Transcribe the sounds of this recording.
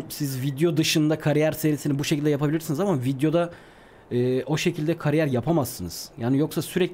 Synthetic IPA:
sizvid̪jo̞d̪ɯʃɯnd̪akʰaɾijæɾse̞ɾisinibuʃecʰilʲd̪ɛjapʰabilʲiɾsɯnzamavid̪jo̞d̪a | ɛːo̞ʃe̞cʰilʲd̪ɛkʰaɾijæɾjapʰamasːɯnɯz̥jaːnijo̞ksasyɾɛc

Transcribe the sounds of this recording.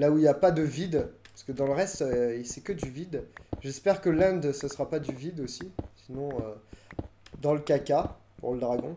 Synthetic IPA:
lauiljapad̪əvid̪paskəd̪ɑ̃ləʁɛst̪øisɛkəd̪yvid̪ʒɛspɛʁkəlɛ̃d̪səsəʁapad̪yvid̪osisinɔ̃ø | d̪ɑ̃ləkaka | pṵʁləd̪ʁaɡɔ̃

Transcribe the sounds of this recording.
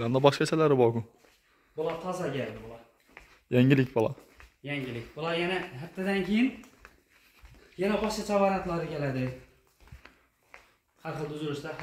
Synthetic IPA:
amd̪abɒʃqat͡ʃʰalaɾɪbɒkʊ | bʊlˠaɾt̪ʰɒzaɾɡʲaɾd̪ɪbʊlˠɑ | jaŋɪlɪkʲbʊlˠɑ̰ | jaŋɡʲɪlɪkʲbʊlˠaɾjanaɦat̪ʰːad̪ankʲʰejɪn | janabɒʃkat͡ʃʰavaɾat̪lˠaɾɪkʲelad̪ɪ | haɾχɨlˠd̪ʊzʊɾɪʃd̪a

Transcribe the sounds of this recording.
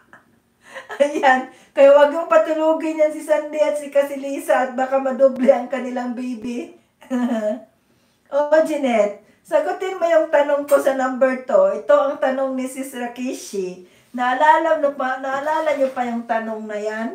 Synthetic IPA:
ʔɐjan | kɐjawɐɡjʊŋpɐt̪ʊluːɡɪɲɐnsɪsɐnd̪iʔɐt̪̚sɪkɐsɪliːsɐʔɐt̪̚baːkɐmɐd̪oblɛʔɐŋkɐnɪlaŋbiːbɪ | aha | ʔod͡ʒɪnɛt̪̚ | sɐɡʊt̪ɪnmɐjʊŋt̪ɐnoŋkosɐnambɛɹt̪oʔɪt̪o̞ʔɐŋt̪ɐno̞ŋnɪsɪsɾɐkiʃi | nɐʔɐlaːlɐmnʊpɐnɐʔɐlaːlɐɲopɐjʊŋt̪ɐnoŋnɐjan

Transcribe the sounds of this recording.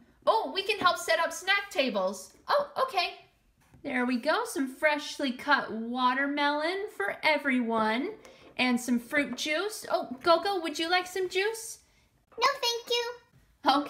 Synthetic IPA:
ʔoʊwikɨ̃nɦɛlˠpsɛɾʌpsnæk̚tʰeɪbl̩ˠz̥ʔoʊʔoʊkʰeɪ | ðə˞wiɡoʊsʌ̃ɱfɹɛʃlikʰʌt̚wɔɾə˞mɛlˠɨ̃nfə˞ʔɛvɹiwʌ̃nʔɨ̃nsʌ̃ɱfɹʉt̚d̥ʒ̥ʉso̰ʊɡ̥oʊɡoʊwɨd͡ʒɨlaɪksʌ̃md͡ʒʉs | noʊθæ̃ŋkjʉ | oʊ

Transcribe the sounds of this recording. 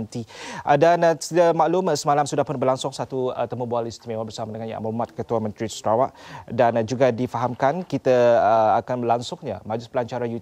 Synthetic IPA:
nt̪iʔdansidamaʔlumsəmalamsudahpʊnbərlaŋsʊŋsat̪uə̰t̪əmubualist̪imemabərsamadəŋanja̰ʔa̰mamat̪̚kət̪uamə̃nt̪ɾisɾawaʔdand͡ʒuɡadifaɦamkankit̪aəakanlaŋsʊŋɲa̰mad͡ʒʊspəlaɲt͡ʃaɾaju

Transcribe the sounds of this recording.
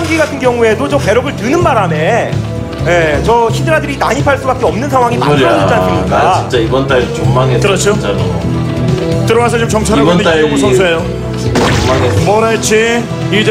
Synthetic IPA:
nɡiɡatʰɯnkjʌŋue̞dot͡ɕomke̞ɾʌɡɯɭtɯnɯnmaɾame̞ | je̞t͡ɕʌɕʰidɯɾadɯɾinaɲipʰaɭs͈ubak͈eʌmnɯnsʰaŋwaŋima̰d͡ʑantʰɯmɲik͈aint͡ɕ͈aibʌnt͈aedot͡ɕoŋmaŋekɯɾʌt͡ɕʰo | tɯɾʌɡasʰʌt͡ɕomt͡ɕʌŋt͡ɕʰanaɡon͈asʰʌnsʰoejo | omaŋemʌɾaet͡ɕʰi | id͡ʑ

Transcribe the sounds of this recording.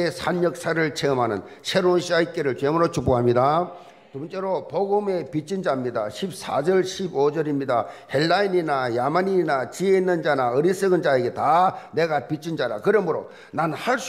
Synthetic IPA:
esʰanjʌk̚s͈aɾɯɭt͡ɕʰeɯmɦanɯ̰n | sʰe̞ɾonɕʰiaik͈eɾɯɭt͡ɕwemuɾot͡ɕuboɦamɲida | tubnt͡ɕ͈eɾopoɡɯme̞pit͡ɕ͈ʰind͡ʑamɲidaɕʰip̚s͈ʰa̰d͡ʑʌɭɕʰibod͡ʑʌɾimɲida̰he̞lːaininajamaɲinat͡ɕieinːɯnd͡ʑanaɯɾis͈ɯɡɯnd͡ʑaeɡe̞tane̞ɡapit͡ɕ͈ʰind͡ʑaɾa̰kɯɾʌmɯɾo̰ | nanhaɭs͈

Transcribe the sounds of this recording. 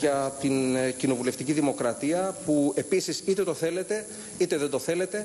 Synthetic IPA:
ʝɐt̪incino̞vule̞ft̪iciðimo̞kɾɐt̪iɐpue̞pisisit̪e̞t̪o̞θe̞le̞t̪e̞ | it̪e̞ðe̞nd̪o̞θe̞le̞t̪e̞

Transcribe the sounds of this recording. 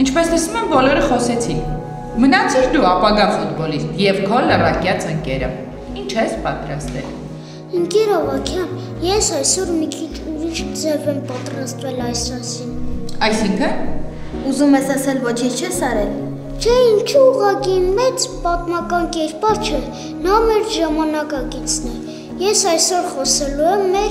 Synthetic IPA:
int͡ʃʰpɛslɛsnumɛmbɔlɔɾəχɔsɛt͡sʰin | mənɑt͡sʰikd̪uɑpɑɡɑfut̪̚bɔlist̪jɛvkʰɔlərɑkjɑt͡sʰəŋkɛɾə̰ | int͡ʃʰɛspɑt̪ɾɑst̪ɛl | iŋkɛɾɑvɑkʰjɑn | jɛsɑjsɔɾmikʰit͡ʃʰuɾiʃk̪d͡zɛvɛmpɑt̪ɾɑst̪vɛlɑjsɑsinɑjsiŋkʰən | uzumɛsɑsɛlvɔt͡ʃʰint͡ʃʰt͡ʃʰɛsɑɾɛl | t͡ʃ̪ʰɛint͡ʃʰəuʁɑkimɛt͡spɑt̪mɑkɑnkɛɾpɑɾt͡ʃʰɛ | nɑmɛɾʒɑmɑnɑkɑkit͡sʰnɛ | jɛsɑjsɔɾχɔsɛluɛmːɛɾ

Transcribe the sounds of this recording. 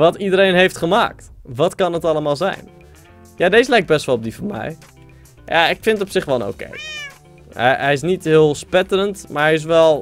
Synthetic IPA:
ʋɑtidəɾejnɦejftχəma̰ːk̚tʋɑtkɑnətɑləmaːlˠzɛ̰jn | jaːdejzəlɛjk̚bɛstʋɑlˠɔb̚difɔnmɛ̰j | ja̰ɪkfɪntətɔpsɪχʋɛlˠəno̰wkḛj | ɛ̰ɦɛjɪs̬nitɦɪːlˠspɛtələntmaːɹɦɛjɪs̬ʋɛlˠ

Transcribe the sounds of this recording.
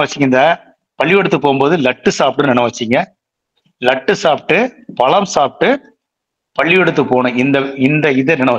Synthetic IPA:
ʋɐt͡ʃːɪŋɐɪnd̪ɐ | pɐɭːɪʋɛɽɯt̪ːɯpːoːɣmboːðɯlɐʈːɯsaːp̚ʈɯnnɛɳɐʋɐt͡ʃːiŋɡɐ | lɐʈːɯsaːpʈːɯpɐɭɐmsaːp̚ʈːɯ | pɐɭːɪjɛɽɯt̪̬ːɯpoːnʊ̃ɪnd̪ɐɪnd̪ɐɪðɐnɛnɐ

